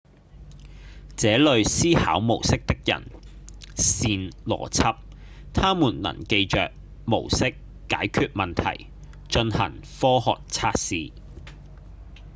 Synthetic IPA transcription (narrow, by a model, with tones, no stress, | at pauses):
t͡sɛː˨˥lɵ˨ɥsiː˥ha̰ː˨˥wmo˨˩wsɪ˥k̚t̪ɪ˥k̚jɐ̰˨˩n | siː˧nlɔ̰ː˨˩t͡sʰɐ˥p̚ | t̪ʰaː˥muː˨˩nlɐ̰˨˩ŋke˧jt͡ʃœ̰ː˨k̚ | mo˨˩wsɪ˥kː | aː˨˥jkʰyː˧t̚mɐ˨nt̪ʰɐ̰˨˩j | t͡ʃɵ˧nhɐ̰˨˩ŋfɔː˥hɔ̰ː˨k̚t͡sʰaː˧˥t̚siː˨˧